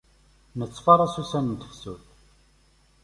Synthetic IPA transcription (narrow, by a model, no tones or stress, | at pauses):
nət͡sːfɑɾˤɑsusænənt̪ə̥fsuθ